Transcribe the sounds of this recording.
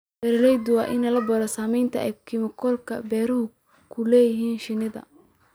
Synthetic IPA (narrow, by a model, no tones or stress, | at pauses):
bɛɾɾɛjd̪ʊwɑːʔɪnɐlɐbɔɾɐsaːmɛjnt̪ʰɐɛ̰jkʰɪmɪkʰɔlkʰɐ̰bɛːɾɔɦʊ | kʰʊlɛːjɪɦiːnʃɪnɪðɐ̰